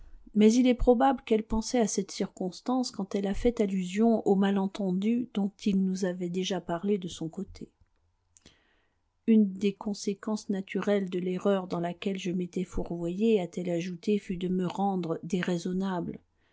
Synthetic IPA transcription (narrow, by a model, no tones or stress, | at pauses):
mɛzilɛpχɔbabləkɛlpɑ̃sɛasɛt̪siʁkɔ̃st̪ɑ̃skɑ̃t̪ɛlafɛt̪alyzjɔ̃ʔomalɑ̃t̪ɑ̃d̪yd̪ɔ̃t̪ilnuzavɛd̪eʒapaʁled̪əsɔ̃kot̪ʰe | ynd̪ekɔ̃sekɑ̃snat̪ʰyʁɛld̪əleʁœʁd̪ɑ̃lakʲɛlʒəmet̪ɛfuʁvwajeat̪ɛlaʒut̪efyd̪əməʁɑ̃d̪ʁd̪eʁezɔnabl